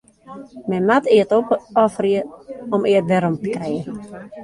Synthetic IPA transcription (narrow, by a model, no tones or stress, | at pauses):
mɛnmatɪətopɔfriəɔmɪətʋɛɾɔmtə̥krɛːən̩